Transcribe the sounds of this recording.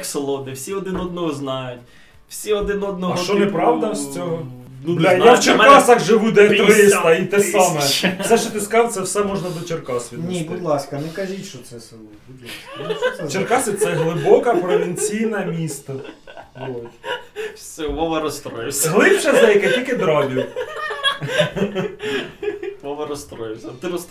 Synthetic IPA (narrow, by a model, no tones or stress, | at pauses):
ksɔlˠɔd̪nɪwsʲiɔd̪ɪnɔd̪nɔɦɔznɑjʊtʲ | wsʲiɔd̪ɪnɔd̪̚nɔɦɐʃt͡ʃɔnɛpɾɑwd̪ɐsʲt͡sʲɔɦɔnd̪j̪awt͡ʃerkɑsɐxʒɪʋud̪ɛk̪ɾɪst̪ɐit̪ɛsɑmɛsɛʃt͡ʃɔt̪ɪskɑwt̪sɛwsɛmɔʒnɐd̪ɔt͡ʃerkɑsʋʲid̪nʲibʊd̪lˠɑskɐnɛkɐʒʲitʲʃɔt̪sɛsɪlˠ | d | t͡ʃerkɑsɐt̪sɛɦlˠɪbɔkɐpɾɔʋʲinʲt͡sʲijnɐmʲist̪ɐb̪ˠɔ | sʲɪlɔʋɐɾɔst̪ɾɔjsɦlˠɪpʃɐzɛjkɐtʲilʲkɪd̪ɾɑbʲi | ɔʋɐɾɔst̪ɾɔjsʲɐt̪ɪ